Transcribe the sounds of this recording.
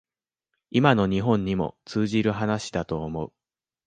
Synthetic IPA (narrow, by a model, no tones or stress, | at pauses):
imano̞ɲ̟iɦõ̞ɲ̟ːimo̞̰t͡sɨːʑiɾɯ̟ɦanaɕi̥d̪at̪o̞ːmo̞ɯ̟